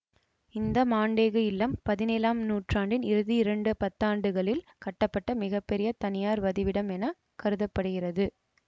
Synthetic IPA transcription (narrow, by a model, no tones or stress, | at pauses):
ɪnd̪ɐmaːɳɖeːɣɯɪlːɐmpɐðɪneːlaːmnuːʈraːɳɖɪnɪɾɯðiɪɾɐɳɖɯpɐt̪ːaːɳɖɯɣɐɭɪlkɐʈːɐpːɐʈːɐmɪɣɐpːɛɾɪjɐt̪ɐnɪjaːɾʋɐðɪʋɪɽɐmɛnɐ | kɐɾɯðɐpːɐɽɯɣɪrɐðɯ